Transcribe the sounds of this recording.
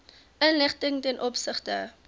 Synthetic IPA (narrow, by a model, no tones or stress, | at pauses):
ʔənləχtəŋtɛnʔɔpsəχtə